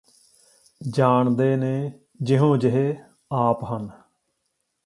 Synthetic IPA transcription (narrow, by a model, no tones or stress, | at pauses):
d͡ʒaːɳd̪eːneː | d͡ʒɪɦõːd͡ʒɪɦeː | aːpɦən